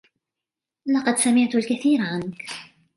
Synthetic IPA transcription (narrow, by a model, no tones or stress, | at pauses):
lɑqɑd̪samɪʕt̪ʊlkaθiːɾaʕank